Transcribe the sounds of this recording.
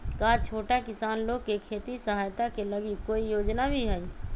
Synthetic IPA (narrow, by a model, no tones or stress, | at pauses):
kaːt͡ʃʰoːʈakɪsaːnloːɡ̚kekʰeːt̪isəɦaːjt̪akelɐɡikoːijoːd͡ʒnabʱiɦɛi